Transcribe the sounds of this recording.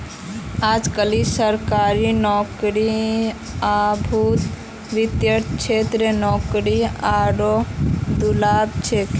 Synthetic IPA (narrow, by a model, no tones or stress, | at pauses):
ad͡ʒkəlisəɾkaɾinɔkɾi | abʱut̪ | ʋit̪jəɾt͡ʃʰet̪ɾənɔkɾiaɽod̪ulabt͡ʃʰek